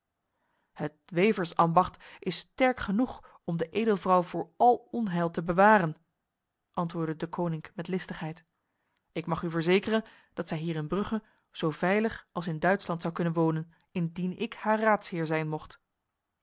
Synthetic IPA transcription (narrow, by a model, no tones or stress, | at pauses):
hətʋejvəɹsɑmbɑχtʔɪstɛɹkχənuχ | ɔmdəʔejdəlˠvrɑwvʊːɹɑlˠɔnɦɛlˠtəbəʋaːrən | ʔɑntʋʊːɹdədəkʰownɪŋkmɛtlɪstəχɦɛjt | ɪkmɑχyvəɹzejkərən | d̥ɑtsɛjɦiːrɪnbrɵχə | z̥owvɛjləχɑlˠsɪndœɥtslɑntsɑwkɵnənʋoːwnən | ɪndinɪkhaːɹraːtsɦɪːɹzɛjnmɔχt